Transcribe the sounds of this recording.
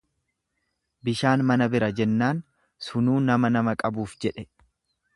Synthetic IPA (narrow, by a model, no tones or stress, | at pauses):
bɪʃaːnmɐnɐbɪɾɐd͡ʒɛnːaːn | sʊnuːnɐmɐnɐmɐkʼɐbuːfd͡ʒɛᶑɛ